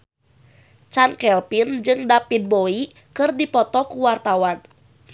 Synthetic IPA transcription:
t͡ʃankɛlpind͡ʒɨŋdapin̚boi | kɨrdipɔt̪ɔkuwart̪awan

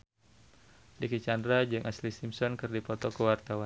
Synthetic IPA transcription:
dikit͡ʃandɾad͡ʒɨŋʔaslisimsɔnkɨrdipɔt̪ɔkəwart̪awan

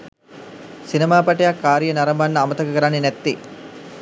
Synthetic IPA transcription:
sinɐmaːpaʈejakːaːɾijənaɾɐmbanːəamət̪əkəkəɾanːenæt̪ːi

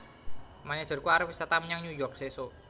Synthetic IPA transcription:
maɲḁʒ̥ə̤rkuaɾəfisat̪amɲaŋɲujɔrk̚seso

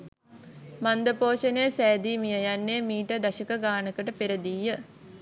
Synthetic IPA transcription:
mand̪əpoːʃɐnejsɛːd̪iːmijɐjanːeːmiːʈɐd̪ɐɕɐkɐɡaːnəkəʈəpeɾɐd̪ijə

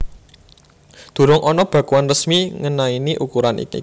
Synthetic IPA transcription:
d̪̥ṳɾʊŋʔɔnɔb̥ä̤kuanrəsmiŋənainiʔukuɾanʔḭkḭ

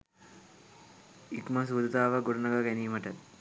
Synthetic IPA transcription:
ikməsuːd̪ɐt̪aːʋəɡoɾunəɡaɡæniːməʈət̪

